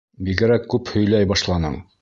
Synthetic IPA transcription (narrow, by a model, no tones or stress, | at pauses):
biɡɘ̆ɾækːʉphɵ̆jlæjbɑʃlˠɑnɤ̰ɴ